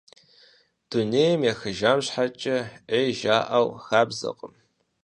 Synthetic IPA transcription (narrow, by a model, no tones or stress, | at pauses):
d̥uneːjəmjaxɨʒaːmɕħat͡ʃʼɐʔeːʒaːʔɐwxaːbzɐ̰qʼəm